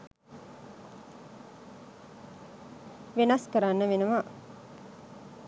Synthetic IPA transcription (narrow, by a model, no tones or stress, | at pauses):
ʋenɐskəɾanːəʋenəʋa